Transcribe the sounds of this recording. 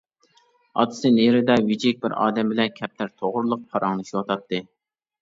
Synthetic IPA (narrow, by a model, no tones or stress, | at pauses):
ɑ̰t̪ʰɨ̥sɨneɾɪd̪ɛwid͡ʒɪk̚ʲbɪɾɑ̰ːd̪ɛmbɪlɛnkʲʰɛp̚t̪ʰæɾt̪ʰoʁʊɾlˠʊq̚pʰɑɾɑŋnɨʃiwɑt̪ʰɑt̪ʰːɨ